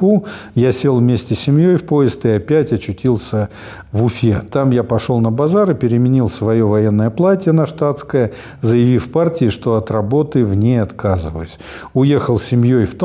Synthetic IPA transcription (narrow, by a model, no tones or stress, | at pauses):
ujasʲelˠvmʲesʲtʲɪsʲɪmjojfpo̞ɪst̪ɨɪɐpʲætʲɐt͡ɕːʊtʲilˠsʲə | vʊfʲet̪amjapɐʂo̞lˠnəbɐzaɾɨpʲɪɾʲɪmʲɪnʲilˠsvɐjovɐje̞nːəjəplˠatʲɪjənɐʂt̪at̪skəjə | zəjɪvʲifpartʲɪɪʂt̪o̞ɐt̪rɐbo̞t̪ɨvnʲejɐt̪kazɨvə̰əsʲ | ʊje̞xəlˠsʲɪmʲjojft̪